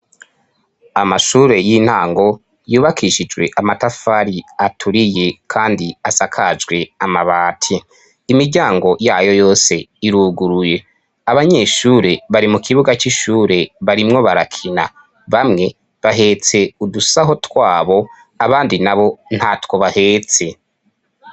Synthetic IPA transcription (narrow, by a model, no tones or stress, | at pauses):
amaʃuːɾe̞jin̥haːŋɡo̞ | juːβakʰiʃid͡ʒɡwe̞̰ʔamatafaɾiatʰuɾije̞kʰaːndiasakʰad͡ʒɡwe̞amaβaːtʰiː | miɾɟaːŋɡo̞jaːjo̞jo̞ːse̞iɾuːɡuɾuje̞ | aβaɲe̞ʃuːɾe̞βaɾimukʰiβuɡat͡ʃiʃuːɾe̞βaɾimŋo̞βaɾakʰina̰ | βamŋe̞ | βaɦe̞ːt͡se̞udusaɦo̞twaːβo̞ | aβaːndinaβo̞n̥hatwo̞βahe̞ːt͡se̞